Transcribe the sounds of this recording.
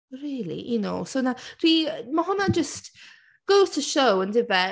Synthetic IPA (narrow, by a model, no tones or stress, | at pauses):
ɹiːlḭʔəno̰ʊsoʊnad̥wiməɦʊnad͡ʒəst | ɡ̥oʊtʰəʃowə̃ndɪbɛ